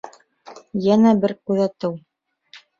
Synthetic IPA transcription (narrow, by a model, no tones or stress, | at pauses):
jænæbɘɾkʉðæt̪ɘw